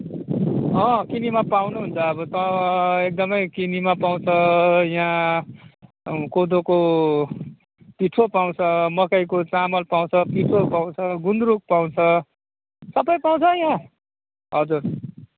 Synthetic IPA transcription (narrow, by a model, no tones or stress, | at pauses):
ʌ̃kinimapawnuɦunt͡sʰʌːbʌt̪ʌek̚d̪ʌmʌjkinimapaw̃t͡sʰʌjã | kod̪oko | piʈʰopaw̃t͡sʰʌmʌkajkot͡samʌlpaw̃t͡sʰʌpiʈʰopaw̃t͡sʰʌɡund̪ɾuk̚paw̃t͡sʰʌ | sʌbʌjpaw̃t͡sʰʌjã | ɦʌd͡zur